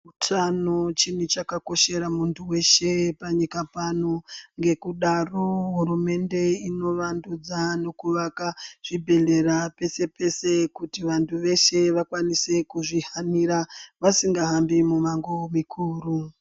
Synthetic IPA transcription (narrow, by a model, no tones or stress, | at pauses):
utʰano̞t͡ʃinit͡ʃakako̞ʃe̞ɾamuntʰuwe̞ʃe̞paɲikapano̞ŋɡe̞kuɗaroɦuɾume̞nde̞ino̞ʋandud͡zano̞kuʋakaʐ̥ibʱe̞ɮe̞ɾape̞se̞pe̞se̞kutiʋantʰuʋe̞ʃe̞ʋakwanise̞kuʐiɦamiɾaʋasiŋɡaɦambimumaŋɡomikʰuːru